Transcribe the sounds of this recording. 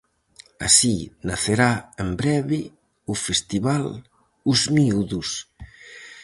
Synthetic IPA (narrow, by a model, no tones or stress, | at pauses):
a̰sinaθeɾaembɾɛβɪ | ufest̪iβal | uzmiuðus